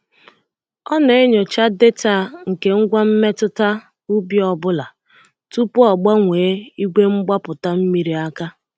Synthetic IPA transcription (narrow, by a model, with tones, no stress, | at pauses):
ɔ˦ne˨e˦ɲo˨t͡ʃa˦de˦ta˦˨ŋ̩˨ke˨˦ŋ̩˦ɡʷa˦m̩˦me˦tʊ˦ta˦ | u˦bi˦ɔ˨bʊ˦la˨ | tu˦pʊ˦ɔ˨ɡ͡ba˦ŋʷeː˨˦i˦ɡʷe˦ŋ͡m̩˦ɡ͡ba˦pʊ˨ta˦m̩˦mi˦ɾi˨a˦ka˦